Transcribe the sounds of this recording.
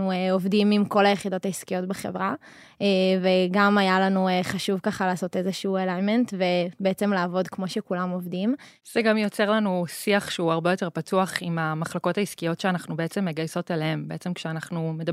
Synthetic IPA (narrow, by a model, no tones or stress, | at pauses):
nueovdimimko̞lajeχido̞taiskijo̞tbeχe̞̰vʁa | eːveɡamajalanueχaʃuvkaχalaːso̞tezeʃuːelajmentve̞beet͡se̞mlaːvo̞dkmo̞ʃe̞kulamo̞vdim | z̥eɡamjot͡se̞ʁlanusiaχʃeuaʁbejo̞te̞ʁpatuaχimamaχlako̞taiskijo̞tʃeanaχnubeet͡se̞mːeɡajso̞talehembeet͡se̞mkʃeanaχnume̞da